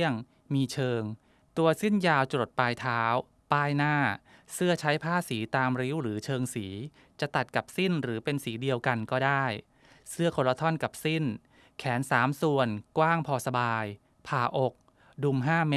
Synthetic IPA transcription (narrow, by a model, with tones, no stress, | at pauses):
əŋ | miː˧t͡ɕʰɤː˧ŋ | t̪u˧ɐsi˥˩njaː˧wt͡ɕo˨˩t̪̚paː˧jt̪ʰaː˦˥w | paː˥˩jnaː˥˩sɯ˥˩ɐt͡ɕʰa˦˥jpʰaː˥˩siː˩˦t̪aː˧mɾi˦˥wɾɯː˩˦t͡ɕʰɤː˧ŋsiː˩˦ | t͡ɕa˨˩t̪a˨˩t̪̚ka˨˩p̚si˥˩nɾɯː˩˦pe˧nsiː˩˦di˧əwka˧nkɔː˥˩daː˥˩j | sɯ˥˩əkʰo˧nla˧t̪ʰɔ˥˩nka˨˩p̚si˥˩n | kʰɛː˩˦nsaː˩˦msu˧˩ənkwaː˥˩ŋpʰɔː˧sa˧baː˧j | pʰaː˨˩ʔo˨˩k̚ | du˧mɦaː˥˩m˦